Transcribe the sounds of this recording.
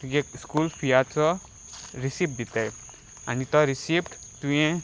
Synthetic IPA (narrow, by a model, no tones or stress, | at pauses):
ɡekskulfʰijat͡sɔ | ɾisipd̪it̪aj | anit̪ɔɾisipʈt̪ũẽ